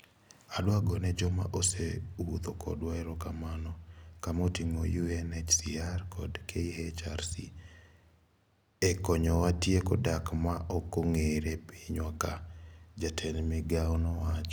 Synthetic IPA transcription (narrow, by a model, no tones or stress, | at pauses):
adwaɡɔnɛd͡ʒɔma̰ʔosewut̪okʰɔ̰dwaɛɾɔkamanɔkamotimojuɛnɛt͡ʃsiarkʰɔdkʰeihet͡ʃarsḭ | ɛkɔɲɔwatjekɔdakmaʔɔkoŋeɾepiɲwakad͡ʒatʰɛnmɛɡaɔnɔwat͡ʃ